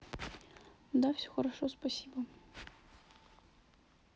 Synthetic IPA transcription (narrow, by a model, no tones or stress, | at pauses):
d̪afsʲoxəɾɐʂospɐsʲibə